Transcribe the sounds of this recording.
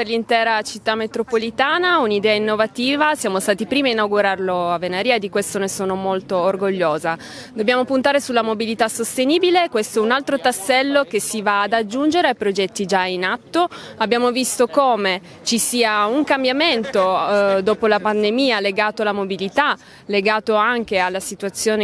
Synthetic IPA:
perlint̪ɛːɾat͡ʃit̪ːamːet̪ɾopolit̪aːnaunid̪ɛːainːovat̪iːvasjaːmost̪aːt̪ipɾiːmiainawɡuɾarloavːenaɾiːaed̪ːikwest̪onesoːnomolt̪oːrɡoʎːoːza | d̪objaːmopunt̪aːɾesulːamobilit̪asost̪eniːbilekwest̪oɛunalt̪ɾot̪asːɛlːokesivaːd̪ad͡ʒːund͡ʒeɾeajpɾod͡ʒɛt̪ːid͡ʒainat̪ːoabːjaːmovist̪okoːme | t͡ʃisiːauŋkambjament̪od̪oːpolapand̪emiːaleɡaːt̪oalamobilit̪a | leɡaːt̪oaŋk̟ealːasit̪uat̪sːjoːne

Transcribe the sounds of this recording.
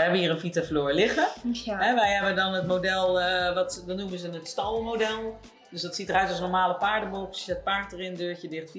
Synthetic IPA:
jɦɛbənhiːrənfitafloːɹlɪχəɦɛʋɛjɦɛbəndɔnətmodɛlˠʋɔtdɔtnuməzənətstɑlˠmodɛlˠ | døsdɔtsitərœɥtlsnɔɹmaːləpaːɹdəbopət̚paɹtərɪndøːɹtədɪχtfi

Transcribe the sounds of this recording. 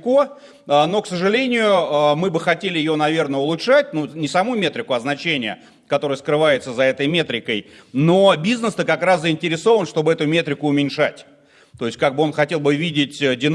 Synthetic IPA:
ko | əno̞ksəʐɨlʲenʲɪjʊəmɨbɨxɐtʲelʲɪjɪjonɐvʲe̞rnəʊlˠʊʂatʲnunʲɪsɐmumʲe̞t̪ɾʲɪkʊɐznɐt͡ɕenʲɪjə | kɐt̪o̞ɾɨjəskɾɨvajɪt̪səzɐɛt̪əjmʲe̞t̪ɾʲɪkəj | no̞bʲiznəst̪əkɐkɾaszəɪnʲtʲɪɾʲɪso̞vənʂt̪o̞bɨɛt̪ʊmʲe̞t̪ɾʲɪkʊːmʲɪnʲʂatʲ | t̪o̞jɪsʲtʲkaɡ̚bɨo̞nxɐtʲe̞lˠbɨvʲidʲɪtʲədʲɪn

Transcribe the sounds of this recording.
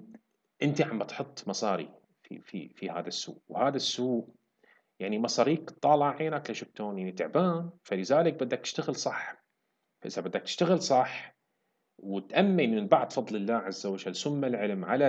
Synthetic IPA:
ʔɪnt̪iʕambat̪ħʊt̪ˤːmɑsˤɑːɾḭ | fḭfḭfiha̰ːðasːṵːʔwhaːðasːuːʔ | jaʕnimɑsˤɑːɾiːkt̪ˤːɑːlaʕeːnaklaʃʊf̚t̪oːnjaʕnit̪ɪʕbaːnfalɪzaːlɪk̚bɪd̪ːak̚t̪ɪ̥ʃt̪aɣɪlsˤɑħ | faʔɪzabɪd̪ːak̚t̪ɪ̥ʃt̪aɣɪlsˤɑħ | wɪt̪ʔamːiʔnːɪnbɑʕd̪ˤfɑðˤlɪlːaːʕazːawad͡ʒalːsʊmːalʕɪlmʕala

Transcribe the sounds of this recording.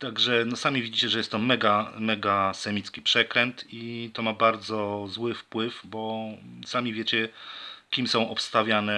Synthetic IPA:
t̪aɡʐɛnɔsamʲivʲid͡ʑit͡ɕɛʐɛjɛst̪t̪ːɔmɛɡamɛɡasɛmʲit̪skʲi̥pʂɛkɾɛnt̪it̪ɔmabaɾd̪zɔzwɘfpwɘfbɔsamʲivʲjet͡ɕɛkʲimsɔ̃w̃ʔɔpst̪avʲjanɛ

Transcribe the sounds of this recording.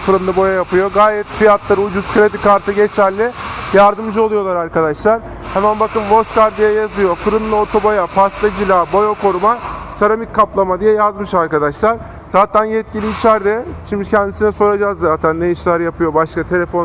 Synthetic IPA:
fɯɾɯnlˠɯbo̞jajapɯjo̞ɡaːɾɛt̪fijat̪lˠaɾud͡ʒuz̥kʰɾed̪ikaɾt̪ʰɯɟet͡ʃʰæɾlʲɪjaɾd̪ɯmd͡ʒɯo̞lˠujo̞lˠaɾaɾkad̪aʃlˠaɾ̥ | hɛmænbakɯnvo̞st̪kaɾd̪ijɛjazɯjo̞fɯɾɯnlˠɯo̞t̪ʰobo̞japast̪ad͡ʒilʲabo̞joko̞ɾumasaɾamicʰːaplˠamad̪ijɛjazmɯʃaɾkad̪aʃlˠaɾ | z̥aːt̪ʰænjɛt̪̚cilʲiːt͡ʃʰæɾd̪ɛʃimd̪icʰɛnd̪isinɛso̞jad͡ʒazzaːt̪ʰænːejiʃlʲæɾjapʰɯjo̞baʃkat̪ʰelʲe̞fo̞n

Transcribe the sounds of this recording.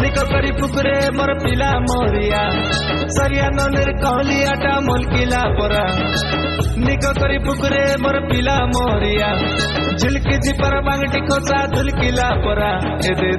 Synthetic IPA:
nikɔkɔɾipukɾemɔɾɔpilamɔɾija | sɔɾijanɔniɾkɔɦlijaʈamolkilapɔɾa | nikɔkɔɾipukɾemɔɾɔpilamɔɾija | d͡ʒʱilkid̪ipaɾɔbaŋɡʈikʰɔt͡ʃad̪ʱulkilapɔɾa | ed̪e

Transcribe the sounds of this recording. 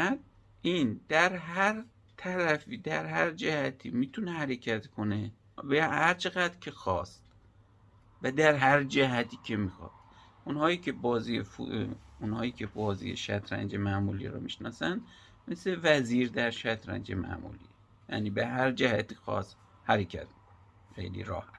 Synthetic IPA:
æd̪ | ʔind̪æɾɦæɾ | t̪ʰæɾæfiːd̪æɾhæɾd͡ʒæhæt̪ʰḭːmit̪ʰunehæɾecʰæt̪kʰone | behæɾt͡ʃʰe̞ɣæd̪ɾkʰe̞xɒːst̪ | væd̪æɾɦæɾd͡ʒæɦæt̪ʰiːcʰemixɒ̰d̪̥̚ | ʔunhɒːiːkʰebɒːzifuunhɒːjiːkʰebɒːzḭjḛʃæ̰t̪ʰɾæ̰nd͡ʒemæmulḭɾɔ̰miʃnɒːsæn | mesevæziːɾd̪æɾʃæt̪ʰɾæ̰nd͡ʒemæ̰ʔmṵːlḭː | jæ̰ːniːbeɦæɾd͡ʒæhæt̪ʰiːxɒ̰ːst̪ | hæɾecʰæ̰t̪mikon | xḛjlḭɾɒ̰ːhæt̪

